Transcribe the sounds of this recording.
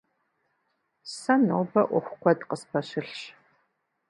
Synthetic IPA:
sɐnowbɐʔʷɔxʷʊqʷʰɔdqəspʰɐɕɪɬɕ

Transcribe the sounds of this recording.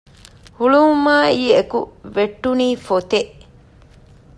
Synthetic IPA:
huɭumaːiːekuʋeʈːuniːfot̪eʔ

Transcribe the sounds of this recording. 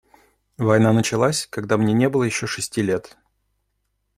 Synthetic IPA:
vɐjn̪anət͡ɕɪlˠasʲkɐɡ̚d̪amnʲenʲe̞bɨlˠəjɪɕːo̞ʂɨsʲtʲilʲe̞t̪

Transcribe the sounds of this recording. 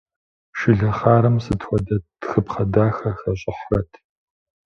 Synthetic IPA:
ʃɪɮɐχaːɾɐmsɨtʰxʷɔdɐtxɨpχɐdaːxɐxɐɕʼɪħrɐtʰ

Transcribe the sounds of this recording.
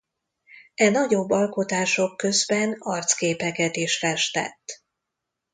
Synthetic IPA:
ɛnɒɟo̞bːɒlko̞t̪aːʃo̞kːø̞zbɛnɒrt̪skeːpɛkɛt̪eːʃfɛʃt̪ɛ̰t̪ː

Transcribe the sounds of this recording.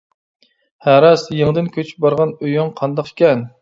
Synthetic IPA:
hæɾɛsjeŋd̪ɪnkʲʰøt͡ʃʰy̥p̚bɑɾʁɑnøjyŋqʰɑnd̪ɑqkʲʰɛn

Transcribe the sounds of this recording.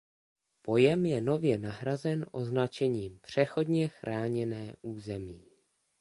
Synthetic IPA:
po̞jɛmjɛno̞vjɛnaɦɾazɛnʔo̞znat͡ʃɛɲiːmpr̝̥ɛxo̞dɲɛxɾʔaːɲɛnɛːʔuːzɛmiː

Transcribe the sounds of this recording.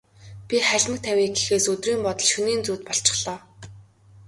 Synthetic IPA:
pʲiχæɮʲmə̆k̚t̪ʰæwʲiːɡexeːsɵt̪riːmpɔt̪ɞ̆ɮʃɵniːnt͡suːt̪̚pɔɬt͡ɕɪ̥̆χɮ̥ɔː

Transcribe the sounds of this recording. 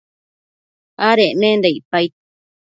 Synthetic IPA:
aɾenẽːnd̪eipait̪̚

